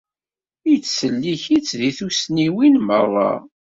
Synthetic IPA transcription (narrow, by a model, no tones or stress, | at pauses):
ijt͡sːsəlːiçit͡sðiθusniwinmərˤːɑ̰